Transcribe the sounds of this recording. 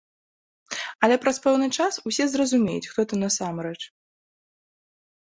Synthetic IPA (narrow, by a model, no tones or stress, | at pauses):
ɐlʲɛpɾɐspɛwnɨt͡ʂasusʲɛzrɐzumʲḛjṵt͡sʲxt̪ɔt̪ɨnɐsamɾɛt͡ʂ